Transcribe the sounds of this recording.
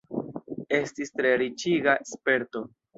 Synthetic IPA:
e̞stist̪ɾeɾit͡ʃiɡaespe̞ɾt̪o̞

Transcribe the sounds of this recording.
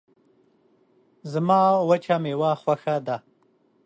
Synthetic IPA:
zamɑːwat͡ʃamewaxwaxad̪a

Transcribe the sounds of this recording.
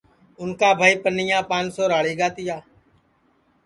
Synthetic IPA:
ʊnkaːbʱaːiːpənɪjãːpãːnsoːɾaːɭiːɡaːt̪ɪjaː

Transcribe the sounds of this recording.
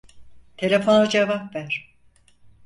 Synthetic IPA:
t̪ʰe̞lʲe̞fo̞nod͡ʒevapvæɾ̥

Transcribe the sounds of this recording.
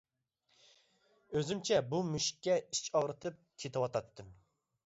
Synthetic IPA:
øzymt͡ʃʰɛbumyʃkʲːɛit͡ʃɑʁɾɨt̪ʰɨp̚kʲʰet̪ʰɨwɑt̪ʰɑt̪ːɨm

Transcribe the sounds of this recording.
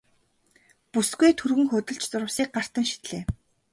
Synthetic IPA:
pusɡujt̪ʰɵrɣɘ̆ŋxʊt̪ɞ̆ɮt͡ɕt͡sʊɾə̆wsiːk̚ɢar̥t̪ə̆ŋʃi̥t̪ɮeː

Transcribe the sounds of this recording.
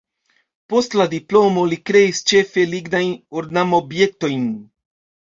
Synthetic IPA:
po̞stladiplo̞mo̞likɾe̞ist͡ʃe̞fe̞liɡnajnoɾdnamo̞bje̞k̚to̞jn

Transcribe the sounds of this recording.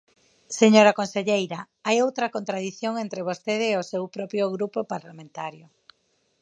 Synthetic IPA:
seɲoɾɐkonseʎejɾɐ | ajowt̪ɾɐkont̪ɾaðiθjoŋent̪ɾeβ̞ost̪eðeːosewpɾɔpɾjoɣɾupopaɾlamẽnt̪aɾjo

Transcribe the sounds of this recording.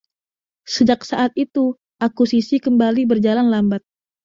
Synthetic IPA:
səd͡ʒaksaʔat̪it̪u | ʔakusisikəmbalibərd͡ʒalanlambat̪̚

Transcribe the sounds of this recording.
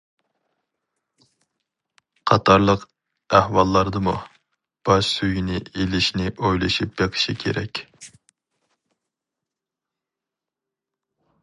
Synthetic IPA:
qʰɑt̪ʰɑɾlˠəq | æhwɑlˠːɑɾd̪ɨmu | b̥ɑʃsøɡinɪelɪʃnɪʔojlˠɨʃip̚beqʰɨ̥ʃikʲʰḛɾɛ̰kʲ

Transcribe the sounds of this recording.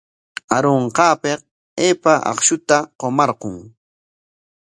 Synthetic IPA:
aɾoɴqɑːpeq̚ | eːpaʔɑ̰χʃʊt̪aqomɑɾqoŋ

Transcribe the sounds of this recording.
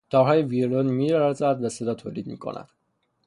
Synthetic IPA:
d̪̥ɒːɦɒːjeviɾlonmiːɾævæzæd̪væsed̪ɒːt̪ʰoːliːd̪mḭːkʰo̰nʔæ̰d̪̥

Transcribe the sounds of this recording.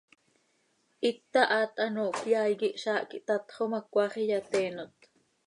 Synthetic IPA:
ʔit̪ːɑʔɑːt̪ʼɑnoːʔkjajɣiʔʃɑːʔkiʔt̪ɑt̪χomakʷɑχijat̪eːnot̪

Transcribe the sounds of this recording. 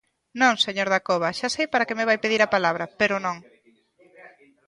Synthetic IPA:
nõŋseɲoɾðakoβɐʃasejpaɾɐkemeβajpeðiɾapalaβɾɐpeɾʊnõŋ

